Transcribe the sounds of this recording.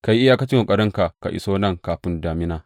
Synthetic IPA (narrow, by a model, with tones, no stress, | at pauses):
ka˨ji˦ʔɪ˦jaː˦ka˦t͡ʃɪ˦ŋo˨kʼɐ˨ɾɪ˦ŋka˨ka̰˨ʔɪ̰˨˦soː˦nɐ˦˨ŋkaː˨ɸɪ˦ndaː˨mɪ˦naː˨